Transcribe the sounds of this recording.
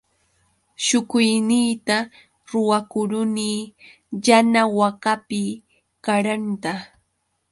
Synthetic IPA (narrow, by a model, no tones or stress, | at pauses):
ʃʊkʊjnɪːt̪a | ɾʊwakʊɾʊniː | janawakapɪ | kaɾant̪a